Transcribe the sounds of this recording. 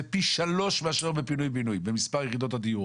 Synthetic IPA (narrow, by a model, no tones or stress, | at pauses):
epiʃalo̞ʃmeaʃeʁbepinujbinujbemispaʁjeχid̪o̞t̪ad̪iuo